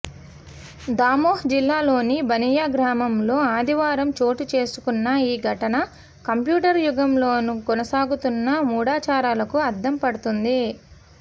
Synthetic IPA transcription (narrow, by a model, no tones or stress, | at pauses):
d̪aːmoːhd͡ʒilːaːlo̞ːnibɐnijaːɡɾaːmɐmlo̞ːaːd̪ʱiʋaːɾɐmt͡ʃo̞ːʈit͡ʃe̞ːsu̥kunːɐiːɡʱɐʈɐnɐ | kɐmpjuːʈɐɾjuɡɐmlo̞ːnukɔnɐsaːɡut̪unːɐmuːɽaːt͡ʃaːɾaːlɐkuɐɾd̪ɐmpɐɽut̪und̪i